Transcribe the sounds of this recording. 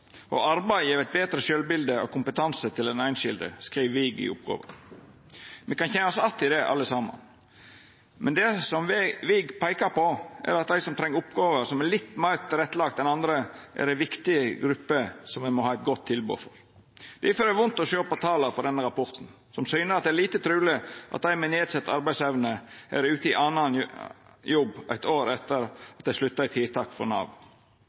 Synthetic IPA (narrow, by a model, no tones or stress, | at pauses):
ʔɔ̰ɑɾbæɪjeːɾæɪt̪̚beːt̪ɾəʃølbɪld̪əɔ̰kʰʊmpət̪ʰɑnsət̪ʰɪlɛnæɪnʃɪld̪ə̰skɾiːʋʋiɡɪ̰ʊ̰p̚ɡo̰ːʋə̰ɾ | mɛkɑnçɛnɑsɔɑt̪ːɪd̪ɛʔɑ̰lːəsɑːmɑ̰n | mɛnd̪ɛsɔmʋʋɪɡpʰæɪkɑɾpɔʔæ̰ɾɑt̪æɪsɔmt̪ʰɾɛŋːəɾʊpɡoːʋəɾsɔmælɪt̪ːmæɪɾt̪ʰɪɾɛt̪ːlɑkt̪ɛnɑnd̪ɾəʔæ̰ɾæɪʋɪkt̪ɪəɡɾʉpːəsɔmʋɛmɔɦɑːɪt̪̚ɡɔt̪ʰːɪlbṵːfɔ̰ɾ | d̪̥æfɔɾæʋʊnt̪ɔʃøːpɔt̪ʰɑːləfɔɾd̪ɛnːəɾɑpɔɾt̪n̩ | sɔmsyːnəɾɑt̪d̪ɛæɾliːt̪ət̪ʰɾʉːlɪʔɑ̰t̪̚d̪æɪmɛneːd̪sɛt̪ːɑɾbæɪsɛʋnəʔæ̰ɾʉːt̪əɪʔɑnɑn | jɔbʔæ̰ɪt̪oːɾɛt̪ːəɾɑt̪d̪æɪslʉt̪ːɑæɪt̪ʰiːt̪ʰɑːkfɔ̰ɾnɑ̰ʋ